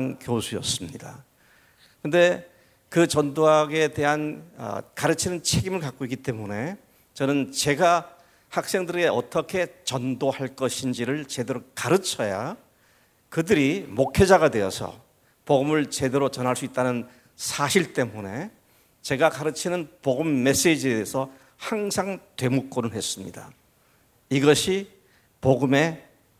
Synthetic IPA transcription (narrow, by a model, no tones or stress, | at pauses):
nkjosʰujʌ̰s͈ɯmɲida̰ | kɯnde̞ | kɯt͡ɕʌndoɦaɡe̞te̞ɦanʌ̰kaɾɯt͡ɕʰinɯnt͡ɕʰe̞ɡimɯɭkak͈oik͈it͈e̞mune̞ | t͡ɕʌnɯnt͡ɕe̞ɡa | hak̚s͈e̞ŋdɯɾeɡeʌt͈ʌkʰe̞t͡ɕʌndohaɭk͈ʌɕʰind͡ʑiɾɯɭt͡ɕe̞deɾokaɾɯt͡ɕʰʌja | kɯdɯɾimokʰed͡ʑaɣadwe̞jʌ̰sʰʌ̰ | poɡɯmɯɭt͡ɕe̞de̞ɾot͡ɕʌnɦaɭs͈uit̚t͈anɯn | sʰaɕʰiɭt͈e̞mune̞ | t͡ɕe̞ɡakaɾɯt͡ɕʰinɯnpoɡɯmːe̞s͈ed͡ʑiedesʰʌ | haŋsʰaŋtwe̞muk͈onɯɭhe̞s͈ɯmɲḭda | iɡʌɕʰi | poɡɯme̞